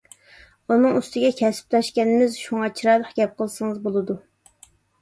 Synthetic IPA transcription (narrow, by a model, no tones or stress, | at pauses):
unɨŋyst̪ɪɡʲɛkʲʰɛsɪ̥p̚lɑʃkʲɛnɪmɪzʃuŋɑt͡ʃʰiɾɑlˠəχɡʲɛp̚qʰəlˠsɨŋɨzbolˠɨd̪u